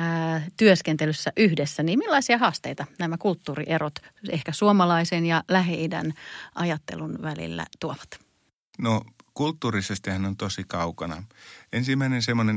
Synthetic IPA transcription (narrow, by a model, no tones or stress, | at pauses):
t̪yøskent̪elysːæʔyhdesːæniːmmilːɑisiɑhɑːst̪eijt̪ɑnæmækult̪ːuːrḭʔeɾot̪ehkæsuomɑlɑisenjɑlæɦeidæ̰nʔɑjɑt̪ːḛlunʋælḭlːæ̰t̪uoʋɑ̥t̪ | nokult̪ːuːrisest̪ihænont̪osikɑukɑnɑ̰ensimːæinensemːonen